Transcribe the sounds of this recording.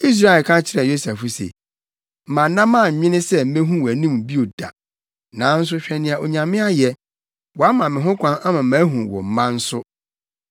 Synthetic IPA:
i˦s̬ɾa˦ɛ˨kʰã˦t͡ɕʰɪ˦ɾɛ˨jo˦sɛ˨fʊ˦sḛ˨ | m̩˨mã˨nː˦ã˦mã˦˨m̩˨ɲɪ̃˦nɪ̃˦sɛ˦m̩˦mẽ˦ɦũ˦wɔ˨æ˨nĩ˦m˨bi˦o˨d̥a̰˨ | nã˨˦n̩˦s̬ʊ˦ɕᶣɛ˨nɪ̃˨a˨o˨ɲã˨mɪ̃˦a˦jɛ˨ | wɔ˨a˦mã˨mɪ̃˨ɦʊ̃˦kʰʷã˦na˦mã˨˦mæ̃ː˨˦ɦũ˨wɔ̰˨m̩˨˦mã˦n̩˦sʊ˦

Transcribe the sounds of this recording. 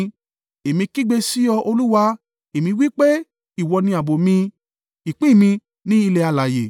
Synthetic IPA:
e˨mĩ˧ki˦ɡ͡be˧si˦ɔ˧ʔo˧lu˦wa˧ | e˨mĩ˧wi˦k͡pe˦ | i˦˨wɔ˧nĩ˧˦a˨bo˨mĩ˧ | i˨k͡pĩ˦˨mĩ˧ | nĩ˦i˧le˧a˧la˨je˨

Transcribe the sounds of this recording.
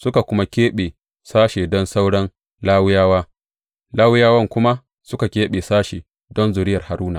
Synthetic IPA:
sʊ˦ka˨kʷʊ˦ma˦kʲeː˦ɓeː˨ | saː˦ʃeː˨dɔ˦nsa˦wɽɐ˦n | laː˦wʊ˦jaː˦waː˦ | laː˦wʊ˦jaː˦wɐ˦ŋkʷʊ˦ma˦ | sʊ˦ka˨kʲeː˦ɓeː˨saː˦ʃe˨ | dɔ˦nzʊ˨ɾɪ˦jɐ˨rha˨ɾuː˦na˨

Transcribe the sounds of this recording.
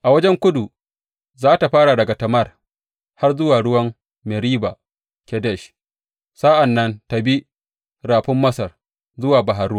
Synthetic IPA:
ʔa˨wɐ˦d͡ʒɛ˦ŋkʷʊ˦du˨ | zaː˦ta˨ɸaː˦ɽa˨dɐ˨ɡa˨tɐ˨mɐ˦r | ha˦rzʊ˦waː˨ɽʊ˦wɐ˦m | mɛ˨ɾiː˦ba˨ | kʲɛ˦dɛ˦˨ʃ | sa˦ʔa˨nːɐ˦nta˨bi˦ | ɾaː˨ɸɪ˦mːɐ˦sɐ˨r | zʊ˦waː˨bɐ˨ɦa˨ɾʊ˦

